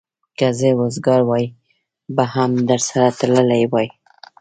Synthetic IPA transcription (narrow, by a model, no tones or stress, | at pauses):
kazewozɡɑɾwɑj | bahamd̪əɾsaɾat̪aləlajwɑj